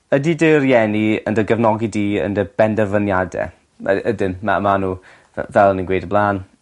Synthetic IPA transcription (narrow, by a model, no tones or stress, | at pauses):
ədidɪrjɛniə̰ndəɡəvnɔɡidiːə̰ndəb̥ɛndəvənjadɛ̰ | ədɪmma̰manṵː | vɛlˠəninɡwejdəblˠaːn